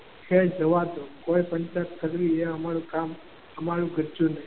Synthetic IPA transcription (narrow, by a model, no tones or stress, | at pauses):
kʰed͡ʒəʋat̪okoipəɲt͡ʃat̪̚kʰəɾɾieəmaɭũkam | əmaɾũɡʱəd͡ʒunəi